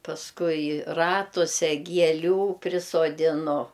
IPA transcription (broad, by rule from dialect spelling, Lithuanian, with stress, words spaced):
pɐsˈkʊɪ ˈrɑːtʊsʲɛ ɡʲiɛˈlʲuː pʲrʲɪsoːdʲɪˈnʊ